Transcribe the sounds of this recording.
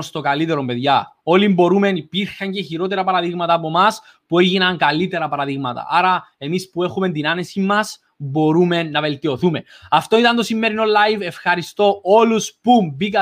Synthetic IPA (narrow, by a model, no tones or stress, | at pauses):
ost̪o̞kɐlit̪e̞ɾo̞mpe̞ðʝɐo̞limbo̞ɾume̞nipiɾxɐɲceçiɾo̞t̪eɾɐpɐɾɐðiɣmɐt̪ɐːpo̞mɐs | pueʝinɐŋkɐlit̪e̞ɾɐpɐɾɐðiɣmɐt̪ɐ̰ʔɐɾɐe̞mispue̞xume̞nt̪inɐne̞simːɐs | bo̞ɾume̞nːɐve̞lt̪io̞θume̞ | ɐft̪o̞it̪ɐnt̪o̞simːe̞ɾino̞lːɐjve̞fxɐɾist̪o̞o̞luspumbikɐ